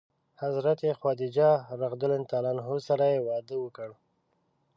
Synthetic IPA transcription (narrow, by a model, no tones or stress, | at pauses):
hazɾat̪exwɑd̪ɪd͡ʒɑɾaɣd̪ʊlent̪ɑlanɦosaɾajewɑd̪əwəkəɽ